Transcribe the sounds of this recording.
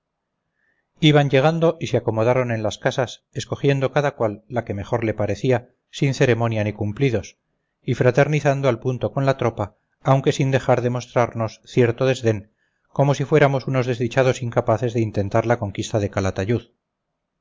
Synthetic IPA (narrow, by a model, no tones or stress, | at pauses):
iβaɲɟe̞ɣ̞and̪o̞ʔiseako̞mo̞ðaɾo̞ne̞nlaskasase̞sko̞xje̞nd̪o̞kaðakwalːake̞me̞xo̞ɾle̞paɾe̞θia | sinθe̞ɾe̞mo̞njanikumpliðo̞s | ifɾat̪e̞ɾniθand̪oalpunt̪o̞ko̞nlat̪ɾo̞paː | wŋke̞sind̪e̞xaɾðe̞mo̞st̪ɾaɾno̞sθje̞ɾt̪o̞ðe̞zðe̞ŋ | ko̞mo̞sifwe̞ɾamo̞suno̞zðe̞zðit͡ʃað̞o̞siŋkapaθe̞zðe̞int̪e̞nt̪aɾlako̞ŋkist̪aðe̞kalat̪aʎuð